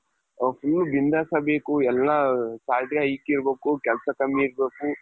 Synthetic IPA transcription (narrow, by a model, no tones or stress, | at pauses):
fʰulːubind̪ʱasɐbekuɛlːasaːɾʈiɦɐikiːɾbeːkukɛlsakɐmiːɾbeːku